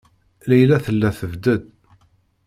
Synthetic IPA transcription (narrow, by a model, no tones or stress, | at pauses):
læjlæθəlːæθəvd̪əd̪